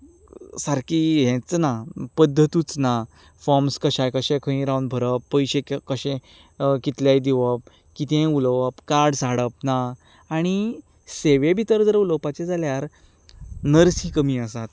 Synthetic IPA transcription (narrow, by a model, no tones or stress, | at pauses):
saɾkiɦɛ̃t͡snapəd̪ʱːət̪ut͡sna | fɔɾmskəɕajkəɕẽkʰə̃ĩɾawnbʱəɾəpːəjɕekkəɕẽ | kit̪ljajd̪iʋəp̚ | kit̪ẽuləʋəpkaɾɽsaɽəp̚na | aɽ̃i | seʋebʱit̪əɾd͡zəɾuləpat͡ɕed͡zaljaɾ | nəɾsikəmiːəsat̪